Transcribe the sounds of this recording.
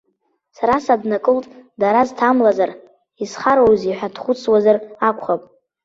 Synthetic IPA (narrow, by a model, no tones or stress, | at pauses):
saɾasadnakʼɨltʼdaɾaztʰamlazar | isχaɾowziħʷᶣadχʷʊt͡sʰwazarakʷʰʼχapʼ